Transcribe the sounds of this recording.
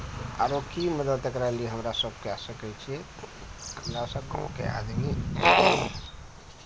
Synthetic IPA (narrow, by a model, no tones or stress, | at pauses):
aɾokiməd̪əd̪ekɾalieɦəmɾasəb̚kɛsəkɛt͡ʃʰiɛ | ɦəmɾasəbkə̰̃kḛa̰d̪mi